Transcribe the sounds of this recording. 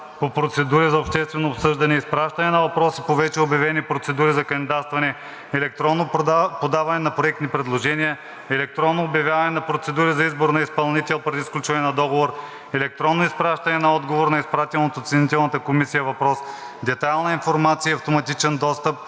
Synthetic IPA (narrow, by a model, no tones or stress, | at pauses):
popɾot̪sɛd̪uɾizɐopʃt̪ɛst̪vɛnoːpsɤʒd̪ɐnɛispɾaʃt̪ɐnɛnɐvɐpɾɔsi̥povɛt͡ʃɛobjɐvɛnipɾot̪sɛd̪uɾizɐkɐnd̪id̪at̪st̪vɐnɛ | ɛlɛk̚t̪ɾɔnːopod̪avɐnɛnɐpɾoɛk̚t̪nipɾɛd̪lˠoʒɛnʲijɐ | ɛlɛk̚t̪ɾɔnːoːbjɐvʲjavɐnɛnɐpɾot̪sɛd̪uɾizɐizboɾnɐispɐlˠnit̪ɛlˠpɾɛd̪isklʲut͡ʃvɐnɛnɐd̪ɔɡovoɾ | ɛlɛk̚t̪ɾɔnːoispɾaʃt̪ɐnɛnɐɔd̪ɡovoɾnɐispɾat̪ʲɛlˠnot̪ot̪sɛnit̪ɛlˠnɐt̪əkomisijɐvɐpɾɔs | d̪ɛt̪ajlˠnɐinfoɾmat̪sijəiɐft̪omɐt̪it͡ʃɛnd̪ɔst̪əp̚